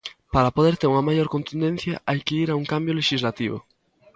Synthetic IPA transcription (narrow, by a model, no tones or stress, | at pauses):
paɾɐpoðeɾt̪eɾuŋɐmajoɾkont̪und̪ẽn̟θjɐ̰ʔajkeiɾauŋkambjoleʃizlat̪iβʊ̰